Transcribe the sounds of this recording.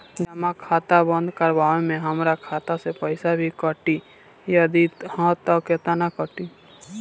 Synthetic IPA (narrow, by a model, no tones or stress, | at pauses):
d͡ʒɐmakʰaːt̪abə̃nd̪kəɾbaːwemẽɦəmɾakʰaːt̪asepəɪsabʱikəʈi | jad̪it̪hɔ̃ːt̪ɔket̪anakəʈi